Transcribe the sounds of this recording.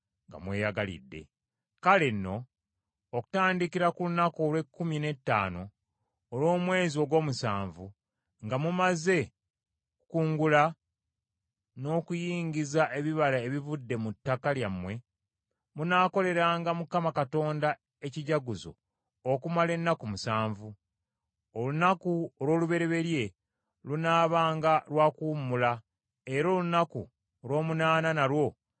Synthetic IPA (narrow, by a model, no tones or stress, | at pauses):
ŋɡa̰mwe̞ːjaɡalḭdːe̞̰ | kalenːo̞ː | ku̥taːndikiɾakulunako̞ːlwe̞kːumine̞tːa̰ːno̞ː | lwo̞ːmwe̞ːzio̞ɡo̞ːmusaːɱvu | ŋɡamumaze̞ | kukuːŋɡula | no̞ːkujiːɲɟizaʔe̞βiβalaeβivudːe̞mutːakaljamwe̞ | munaːko̞le̞ɾaːŋɡamukamakato̞ːnda | e̞ciɟaɡuzo̞̰ | okumale̞nːakumusaːɱvu | olunakuoɾwo̞ːluβe̞ɾe̞βe̞ɾje̞ | lunaːβaːŋɡalwakuːmula | e̞ɾo̞ːlunakṵ | olwo̞ːmunaːnanaɾwo̞